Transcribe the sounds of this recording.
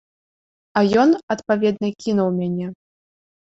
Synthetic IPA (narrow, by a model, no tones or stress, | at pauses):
ɐjɔnɐt̪pavʲɛd̪̚nɨkʲinɐwmʲanʲɛ